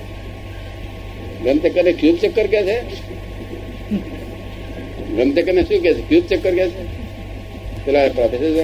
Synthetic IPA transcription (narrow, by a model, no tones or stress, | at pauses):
ɡəmt̪ekənekjuːbt͡ʃekːəɾkɛse | ɡəmt̪ekənesũk̬ɛsekjuːb̚t͡ʃekːəɾkɛse | t̪elapɾad̪esea